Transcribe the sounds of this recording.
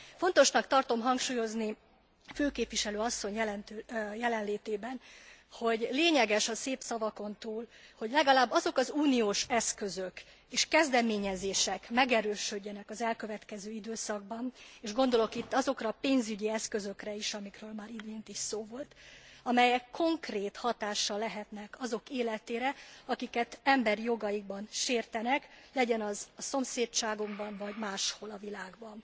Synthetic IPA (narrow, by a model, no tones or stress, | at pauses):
fo̞nt̪o̞ʃnɒkt̪ɒrt̪o̞mɦɒŋkʃuːjo̞zni | føːkeːpʋiʃɛløːɒsːo̞ɲjɛlɛnt̪øjɛlɛnleːt̪eːbɛnho̞ɟleːɲɛɡɛʃɒseːpsɒvɒko̞nt̪uːlho̞ɟlɛɡɒlaːbːɒzo̞kɒzuːnioːʃɛskøzø̞k | eːʃkɛzd̪ɛmeːɲɛzeːʃɛkmɛɡɛɾøːʃøɟːɛnɛkɒzɛlkø̞vɛt̪kɛzøːid̪øːsɒɡ̚bɒneːʒɡo̞nd̪o̞lo̞kit̪ːɒzo̞krɒpeːnzyɟiɛskø̞zø̞krɛiʃɒmikrøːlmaːɾid̪eːnt̪iʃsoːvo̞lt̪ɒmɛjɛkʰːo̞ŋkreːt̪hɒt̪aːʃːɒlːɛɦɛt̪nɛkɒzo̞keːlɛt̪eːɾɛɒkikɛt̪ɛmbɛrjo̞ɡɒjiɡ̚bɒnʃeːrt̪ɛnɛklɛɟɛnɒzɒso̞mseːt͡ʃaːɡoɡbɒnvɒɟmaːʃho̞lɒvilaːɡbɒn